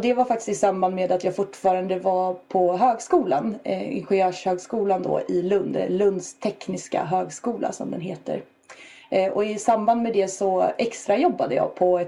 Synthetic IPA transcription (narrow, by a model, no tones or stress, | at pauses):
d̪ɛvaɾfak̚t̪ɪ̥st̪ɪsamːband̪meːd̪at̪jɑːɡfʊʈːfɑːɾand̪əvapʰɔɦøːɡskuːlanɪ̰nɧɛjøːʂhøːɡskuːland̪ɔ̰ɪlɵnd̪lɵnd̪st̪ʰɛknɪska̰ɦøːɡskuːla̰sɔ̰md̪ɛnɦeːt̪ə̰ɾ | ʔɔɪsamːband̪mɛd̪ɛsɔɛkst̪ɾajɔbːad̪əjɑ̰ːɡpʰɔɛ